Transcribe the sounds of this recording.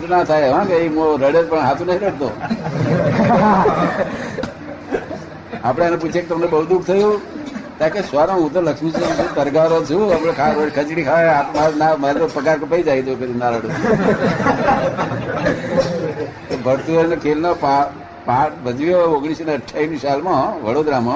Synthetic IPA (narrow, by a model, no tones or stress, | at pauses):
t̪unat̪ʰajʋãkeiɦõɾəɽed͡ʒpəɳɦat̪ũnəĩɾəɽt̪o | apɽ̃eaneput͡ʃʰeket̪əmnebəɦud̪uk̚ʰt̪ʰəjũt̪ãkesʋaɾaɦũt̪̬oləkʂmisoɾisũt̪əɾɡaɾot͡ʃʰũapɽekʰaɾəɽkʰət͡ʃɽikʰaaapmãnamaɾopəkaɾkəpaid͡ʒaid̪oked̪unaɾəɽo | obʱəɾt̪uonokʰelnapa | paʈbəd͡ʒʋijooɡɽ̃isinəʈʰːaimisalmãʋəɽod̪ɾamã